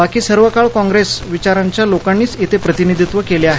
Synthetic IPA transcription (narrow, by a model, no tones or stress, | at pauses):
bakiːsəɾʋəkaɭkɔ̃ŋɡɾesʋit͡ɕaɾaɲt͡ɕjalokanːiːt͡sit̪ʰepɾət̪inid̪ʱit̪ʋəkeleaɦe